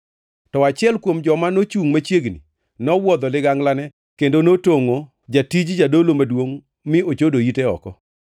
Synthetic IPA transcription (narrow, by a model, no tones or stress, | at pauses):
tɔat͡ʃɪɛlkwomd͡ʒɔmanot͡ʃuŋmat͡ʃjeɡnḭ | nɔwɔd̪ɔlɪɡaŋlanɛ | kendonotoŋo | d͡ʒatid͡ʒd͡ʒadolomadwoŋ | mɪot͡ʃodoiteɔ̰kɔ